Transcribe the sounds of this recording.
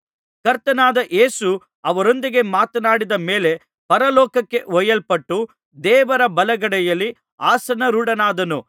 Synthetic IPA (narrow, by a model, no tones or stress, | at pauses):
kɐɾt̪ɐnaːd̪ɐʔe̞ːsu | ɐʋɐɾo̞nd̪iɡe̞maːt̪ɐnaːɽid̪ɐmeːle̞ | pɐɾɐlɔːkɐkːe̞ɔjɐlpɐʈːu | d̪ɛːʋɐɾɐbɐlɐɡɐɽɛjɐlːi | aːsɐnɐɾuɽɐnaːd̪ɐnu